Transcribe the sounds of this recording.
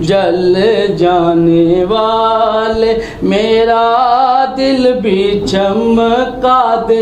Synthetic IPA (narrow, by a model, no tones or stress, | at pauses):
d͡ʒɐld͡ʒaːneʋaːle | meːɾad̪ɪlbʱit͡ʃʰɐmkaːd̪ɪ